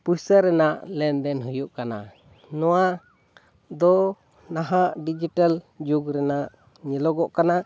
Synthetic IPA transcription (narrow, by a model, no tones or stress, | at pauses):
pusəɾːɛnaʔlɛnd̪ɛnɦujuʔkana̰ | nɔwa | d̪ɔ | naɦaʔɖid͡ʒiʈal | d͡ʒuɡɾɛnaʔ | ɲɛlɔɡɔʔkana